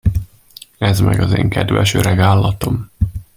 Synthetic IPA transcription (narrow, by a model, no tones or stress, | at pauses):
ɛzmɛɡɒzeːŋkɛd̪vɛʃøɾɛɡaːlːɒt̪om